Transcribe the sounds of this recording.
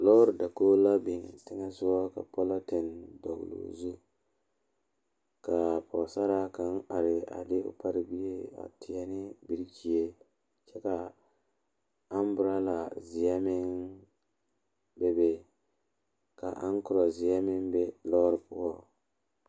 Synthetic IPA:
lɔː˦ɾda˨koː˦la˦bɪ˨ŋ˨tɪ˦ŋɛ˦sʊ˦wɔ˦ka̰˨pɔ˦la˦ti˨ndɔ˨ɡ̰lṵ˨zu˦ | ka˨pɔ˨sa˦ɾa˦ka˨na˨ɾɪ˨a̰˨dɪ˦ʊ̰˦pa˦ɾɪ˦bi˦je˦a̰˨tʰɪ˨ja˦nɪ˦bi˨ɾt͡ʃi˨e˦ | t͡ʃɛ˦ka˨ | a˦m˦bʊ˦ɾa˦la˨zɪ˨ja˦mɪ˦ŋ | be˦be˦ | ka̰˨ʔa˦nkʊ˦ɾɔ˨zɪ˨ja˦mɪ˦ŋbɛ˦lɔː˦ɾɪ˨pʊ˦ɔ˦

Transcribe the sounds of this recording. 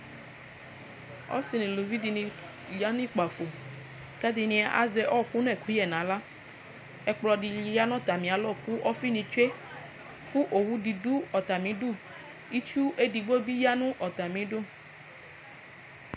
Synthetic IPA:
ɔ̰˦si˨nĩ˨lu˨vi˦di˧nĩ˧ | ja˦nũ˦i˦k͡pa˨fo˨ | kɛ˦d̪i˨nĩ˧a˨˦ʔa̰˨zɛ˨ʔɔ˦˨ku˦nɛ̃˦˨ku˦ɛ˨nã˨˦la˦ | ɛ˦k͡plɔ˨di˨ja˦nɔ̃˦t̪a˨mĩ˨a˨lɔ˦˨ku˦ʔɔ˦fi˦nĩ˧t͡ʃe˦ | ku˦ʔo˨wu˦di˨du˦ɔ˨t̪a˨mĩ˨˦du˦˨ | i˦t͡ʃu˦ʔe˦di˨ɡ͡bo˦bi˦ja˦nũ˦ʔɔ˨t̪a˨mĩ˨˦du˦

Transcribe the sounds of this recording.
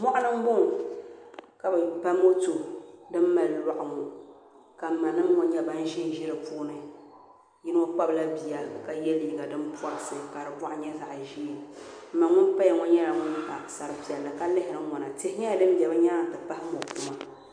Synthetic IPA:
mɔ˦ʔʊ˦nɨ˦m˦bo˦ŋ | ka˨bɨ˨pa˦mo˦tu˨dɨ˦m˦ma˨lla˦˨ʔʊ˨ŋu˨ | ka˨ma˨nɨ˦m˦ŋɔ˨ɲɛ˦ba˦n˦ʒi˦n˦ʒi˦ɾɨ˨puː˦nɨ˨ | jɪ˦n˦o˦k͡pa˦bla˦bi˨ja˨ka˨jɛ˦liː˦ɡa˨dɨ˦mpa˦ɾɨ˦sɨ˦˨ka˨ɾɨ˨bʷa˦ʔɲɛ˦za˨ʔʒi˦˨m̩˦ma˨ŋʊ˦pa˦jɛ˨ŋɔ˦ɲɛ˦ɾa˨ŋʊ˦n˦ʔa˨sa˨ɾɨ˨pi˨ɛ˨lːɨ˨ka˦lɪ˦hɪ˨ɾɨ˨ŋɔ˨na˨te˦ʔɲɛ˦ja˨dɨ˦m˦bʲɛ˨bɨ˦ɲa˦n˦tɨ˨pa˦hɪ˦mo˨ku˨ma˦

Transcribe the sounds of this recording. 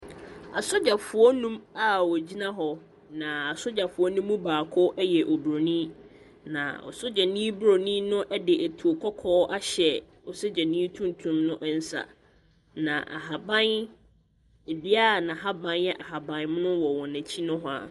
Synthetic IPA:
a˨sʊ˦d͡ʑa˨fʊ˨ɔ˦nũ˦ma˨wɔ˨d͡ʑi˦nã˦ɦɔ˨ | nã˨a˨sʊ˦d͡ʑa˨fʊ˨ɔ˦nũ˦mːũ˦baː˨kʰʊ˦ʔɛ˦jɛ˨ʔo˨bɾo˨nĩ˦ | nã̰˨ɔ̰˨sʊ˦d͡ʑa˨nĩː˦bɾo˨nĩ˦nʊ̃˦ʔɛ˦dɪ˨ʔæ˨tʰu˨o˨kʰɔ˦kʰɔː˦ʔa˦ɕɛ˨ | ɔ˨so˦d͡ʑɛ˨nĩ˦tʰũ˦n˨tʰũ˦mnʊ̃˦ʔn̩˦sa̰˨ | nã̰˨ʔa̰˨ɦa˨bã˦n | e˨bi˦a˦˨nã˨ɦa˦bã˦njɛ˦ʔa˨ɦa˨bã˨nm˦nʊ̃˦wɔ˨wɔ̃˨næ̃˨t͡ɕʰi˦nʊ̃˦ɦɔ˦a̰˨

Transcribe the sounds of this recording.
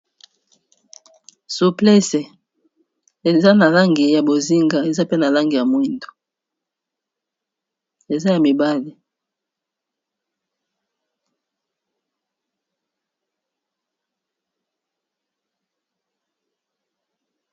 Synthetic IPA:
su˨plɛ˦sɛ˨ | e˨za˦na˨la˦ŋɡi˨ja˨bo˨zi˦ŋɡa˨e˨za˦pe˦na˨la˦ŋɡi˨ja˨mwi˦ndo̥˨ | e˨za˦ja˨mi˨ba˦li˨

